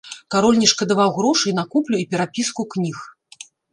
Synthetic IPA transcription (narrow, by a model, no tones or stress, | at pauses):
kaɾɔlʲnʲiʂkɐd̪avawɣɾɔʂɨjnakuplʲuipʲɛɾapʲiskuknʲix